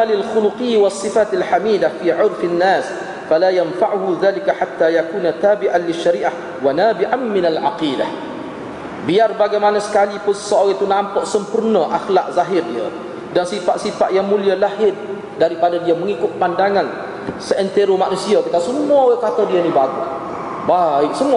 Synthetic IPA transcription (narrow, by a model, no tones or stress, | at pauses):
alɪlxuluqiwasːifat̪alħamiːdahfiʕʊrfanːaːs | falajanfaʕuɦuðaːlikaħat̪ːajakuːnat̪aːbiʔanlɪʃːaɾiːʔah | wanaːbiʔanmɪnalʕaqiːdah | biarbaɡajmanasə̥kalipʊnsəsoʔawit̪unampaʔsəmpurnəʔaxlak̚zaɦɪrdiə | dansifaʔ̪sifaʔ̪jaŋmũlialahɪd̪̚ | daɾipadadiaməŋikʊt̪̚pandaŋan | səʔɛnt̪eɾomaʔnusiat̪əkasəmuawakat̪adianibaɡus | baɪk̚səmua